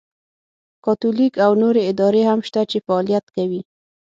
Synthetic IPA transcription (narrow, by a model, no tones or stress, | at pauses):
kɑt̪ulikawnoɾeɪd̪ɑɾehamʃt̪at͡ʃefaːlijat̪kawi